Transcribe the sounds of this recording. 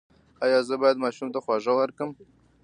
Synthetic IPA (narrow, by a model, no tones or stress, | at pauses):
ɑjɑzəbɑjad̪mɑʃumt̪axwɑʐəwəɾkəm